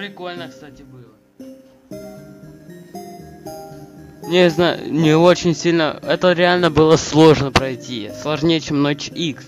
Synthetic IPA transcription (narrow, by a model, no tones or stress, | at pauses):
pɾʲɪko̞lʲnəkst̪atʲɪbɨlˠə | nʲezna̰nʲɪot͡ɕɪnʲsʲilʲnəɛt̪əɾʲɪalʲnəbɨlˠəslˠo̞ʐnəpɾɐjtʲislˠɐʐnʲejət͡ɕemnot͡ɕiks